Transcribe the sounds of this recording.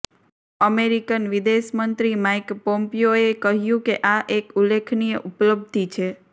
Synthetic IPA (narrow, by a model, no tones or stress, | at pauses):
əmeɾikənʋid̪eʃmənt̪ɾimajkpompijoekəɦjũkeʔaʔekulːekʰnijəʔupləb̚d̪ʱit͡ʃʰe